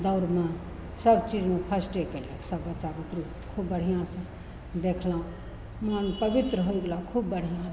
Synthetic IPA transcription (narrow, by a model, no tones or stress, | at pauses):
d̪aʊɾmã | səbt͡ʃid͡ʒmepʰasʈekeleksəbːətːt͡ʃabit̪ɾu | kʰubːəɽ̤ijãsə̃ | d̪ekʰlaũ | manpəbit̪ɾəɦoiɡlãkʰubːəɽ̤ijã